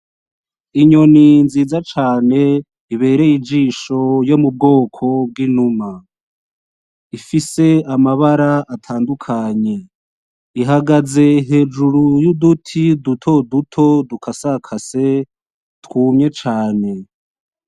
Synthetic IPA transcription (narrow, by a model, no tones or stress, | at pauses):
iɲo̞ninziːzat͡ʃaːne̞ | iβe̞ːɾe̞jid͡ʒiːʃo̞jo̞mub̚ɡo̞ːkʰo̞b̚ɡiːnuma | ifise̞amaβaɾaːtʰaːndukʰaɲe̞ | iɦaɡaze̞ɦe̞ːd͡ʒuɾujudutʰidutʰo̞dutʰo̞dukʰasakʰase̞ | tkuːmɲe̞t͡ʃaːne̞